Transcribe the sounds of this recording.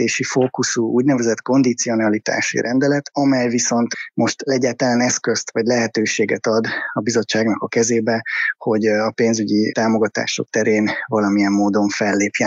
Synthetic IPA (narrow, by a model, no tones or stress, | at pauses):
eːʃifoːkusuuːɟnɛvɛzɛt̪ko̞nd̪it̪sio̞nɒlit̪a̰ːʃḭɾʔɛnd̪ɛlɛt̪ɒmɛjviso̞nt̪mo̞ʃt̪ɛɟːaːt̪ɒlanɛskø̞st̪ʋɒɟlɛɦɛt̪øːʃeːɡɛt̪ɒd̪ɒbizo̞t͡ʃːaːɡnɒkɒkɛzeːbɛho̞ɟɒpeːnzyɟit̪aːmo̞ɡɒt̪a̰ːʃo̞̰k̚t̪ɛɾeːnvɒlɒmijɛmːoːd̪o̞ɱfɛlːeːpjɛ